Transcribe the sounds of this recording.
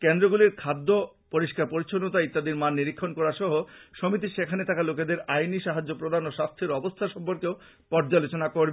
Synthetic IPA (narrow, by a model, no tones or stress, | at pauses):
kend̪ɾoɡuliɾkʰad̪ːo | poɾiʃkaɾpoɾit͡ɕʰonːot̪ait̪ːad̪iɾmanːiɾikʰːonkɔɾaɾʃɔɦoʃomit̪̬iʃekʰanet̪akaloked̪eɾajniʃaɦad͡ʑːopɾod̪ʱanoʃast̪ʰiɾɔbost̪ʰaʃɔmpoɾkeo | pɔɾd͡ʑalot͡ɕonakoɾb